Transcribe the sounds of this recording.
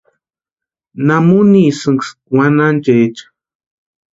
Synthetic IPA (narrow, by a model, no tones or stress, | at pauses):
namunisɨŋɡswanant͡ʃeet͡ʃḁ